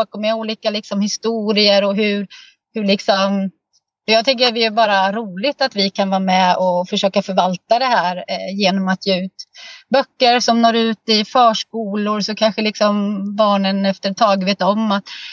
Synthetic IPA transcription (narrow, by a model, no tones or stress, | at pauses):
ɔkɔmɛuːliːkalɪksɔmhɪst̪uːɾɪəɾɔɦɵɾ | hɵɭɪksɔm | ɔjɑɡt̪ʰʏŋkːəvɪæbɑːɾaɾuːlɪt̪at̪vɪkʰanvɑːamɛɔfœʂøːkafœɾvalt̪ad̪ɛɦæːɾjeːnɔmat̪ʰjeːʉ̟ːt̪bœkːəɾsɔmnoːɾʉ̟ːt̪ɪfœːʂkuːlʊɾsɔkʰanɧəlɪksɔmbɑːɳənɛft̪əɾt̪ʰɑːɡveːt̪ɔmːat̪